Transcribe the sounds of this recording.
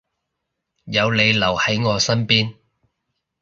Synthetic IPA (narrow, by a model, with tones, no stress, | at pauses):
jɐ˨˧wle˨˧jlɐ˨˩whɐ˨˥jŋɔː˨˧sɐ˥npiː˥n